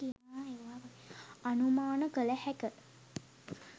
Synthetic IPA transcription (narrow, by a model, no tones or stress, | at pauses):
ijaeːʋaːʋə | anumaːnəkələhɛkə